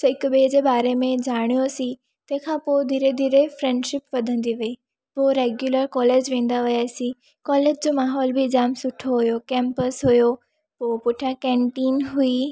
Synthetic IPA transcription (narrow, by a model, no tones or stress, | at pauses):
sɪkʊɓeːd͡ʑeːbaːɾemẽd͡ʑaːɽ̃ijosĩ | t̪ɐ̃ɦɪ̃kʰãːpod̪ʱiːɾed̪ʱiːɾefɾɛ̃ːɳɖʃɪpʋɐd̪ʱə̃nd̪iʋɐiː | poːɾeːɡjuləɾkɔːleːd͡ʑʋẽːn̆d̪aʋɪjaːsĩ | kɔːleːd͡ʑd͡ʑomaːɦɔːlbɪɪd͡ʑaːmsʊʈʰoɦʊjokɛ̃ːmpəsɦʊjo | poːpʊʈʰjãkɛ̃ːɳʈiːnɦui